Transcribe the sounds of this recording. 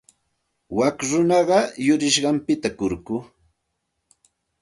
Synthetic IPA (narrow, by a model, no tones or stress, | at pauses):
wakɾʊnɑɢɑjʊɾɪʃɢɑmpɪt̪akʊɾkʊ